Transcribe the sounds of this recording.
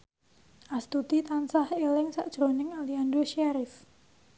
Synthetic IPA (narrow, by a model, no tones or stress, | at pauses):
ʔast̪ut̪it̪ansahelɪŋsa̰ʔdʒ̥ɾonɪŋaliandoʃaɾɪf